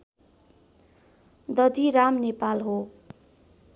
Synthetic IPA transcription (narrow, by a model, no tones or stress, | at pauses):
d̪ʌd̪ʱiɾamnepalɦo